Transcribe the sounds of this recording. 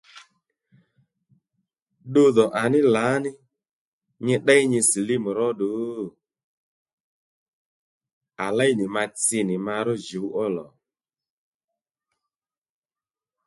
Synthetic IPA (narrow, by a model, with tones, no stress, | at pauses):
ɗo˧ðɔ˨ʔa˨nɪ˦la˨˦nɪ˦ | ɲɛ˧ɗɛ˦i˦ɲɛ˧si˨li˦mu˨ɾɔ˦ɗo˨˦ | a˨la˦jnɪ˨ma˧t͡sɪ˧nɪ˨ma˧ɾɔ˦ʒe˨u˦ʔɔ˦lɔ˨